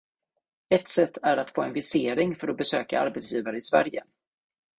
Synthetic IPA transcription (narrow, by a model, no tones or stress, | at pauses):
ɛt̪sɛt̪ʰːæɾat̪foːɛnvɪseːɾɪŋfœɾɔbɛsøːka̰a̰ɾbɛt̪sjiːvaɾəɪsvæ̰ɾjə̰